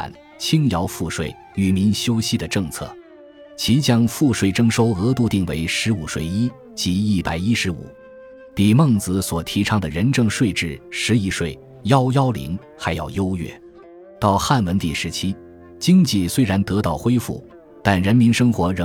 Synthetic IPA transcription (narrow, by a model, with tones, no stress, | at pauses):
n | t͡ɕʰi˥ŋjɑ˧˥ʊfu˥˧ʂwe˥˩ɪ | y˨˩mi˧˥nɕjo˥ʊɕi˧˥d̪ə˨ʈ͡ʂɤ˥˧ŋt͡sʰɤ̰˥˩ | t͡ɕʰi˧˥t͡ɕjɑ˥ŋfu˥˧ʂwe˥˩ɪʈ͡ʂɤ˥ŋʂo˥ʊɤ˧˥t̪u˥˧t̪i˥˩ŋwḛ˧˥ɪʂɻ̩˧˥u˨˩ʂwe˥˩ɪi˥ | t͡ɕi˧˥i˥˩pa̰˨˩ɪi˥ʂɻ̩˧˥ṵ˨˩˦ | pi˨˩mɤ˥˩ŋt͡sɹ̩˧swɔ˨˩t̪ʰi˧˥ʈ͡ʂʰɑ˥ŋd̪ə˨ɻə˧˥nʈ͡ʂɤ˥˧ŋʂwe˥˧ɪʈ͡ʂɻ̩˥˩ʂɻ̩˧˥i˧˥ʂwe˥˩ɪ | jɑ˥ʊjɑ˥ʊlḭ˧˥ŋ | xa˧˥ɪjɑ̰˥˩ʊjo˥ʊɥɛ̰˥˩ | t̪ɑ˥˩˧ʊxa˥˩nwə˧˥nt̪i˨˩ʂɻ̩˧˥t͡ɕʰi˥ | t͡ɕi˥ŋt͡ɕi˥˩swe˥ɪɻa˧˥nt̪ɤ˧˥t̪ɑ˥˩ʊxwe˥ɪfṵ˥˩ | t̪a˥˩nɻə˧˥nmi˧˥nʂɤ˥ŋxwɔ˧˥ɻə˧˥